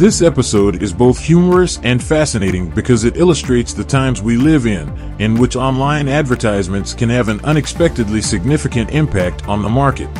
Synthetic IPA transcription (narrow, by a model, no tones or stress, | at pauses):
ðɪsɛpɨsoʊɾɪzboʊθhjʉmə˞ɨsɨ̃nfæsɨneɪɾɪ̃ŋbɨkʰʌzɨɾʔɪlˠəstɹ̥eɪtsðɨtʰãɪ̃mzwilɪvɪ̃n | ɨ̃nwɨt͡ʃɑ̃nlãɪ̃nædvə˞tʰaɪzmɨ̃ntskʰɨ̃nɨvɨ̃nʌ̃ñɨkspɛk̚tɨdˡlisɨɡ̚nɪfɨkɨ̃ntɪ̃mpʰæk̚tn̩ðəmɑɹkɨt̚